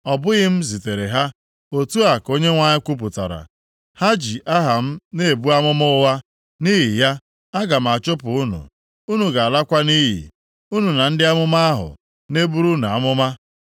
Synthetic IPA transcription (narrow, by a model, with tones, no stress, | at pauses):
ɔ˨bʊ˦ɣɪ˦m̩˦zi˨te˨ɾe˨ɦa˦ | o˨tu˦a˨ko˦ɲe˦ŋʷa˦ɲɪ˦kʷu˦p̬ʊ˨ta̰˨ɾa̰˨ | ha˦d͡ʒi˨ʔa˦ɦa˨m̩˦ne˦e˨bu˦a˦mʊ˦mʊ˦ʊ˦wa˦ | ni˦ɦi˨ja˦ | a˦ɡa˨m̩˨a˨t͡ʃʊ˦pʊ˨u˦nṵ˨ | u˦nu˨ɡa˨a˨la˦kʷa˦ni˦ɦḭ˨ | u˦nu˨na˨n̩˦dɪ˦a˦mʊ˦ma˦a˦ɦʊ̰˨ | ne˦bu˦ɾu˦na˨a˨˦mʊ˦ma˦